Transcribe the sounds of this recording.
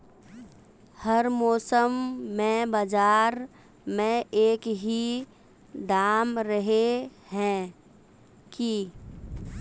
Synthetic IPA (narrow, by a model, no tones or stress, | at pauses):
həɾmɔːsəmːẽbad͡ʒaːɾ | mẽeːkɦi | d̪aːmɾəɦehɛ̃ː | ki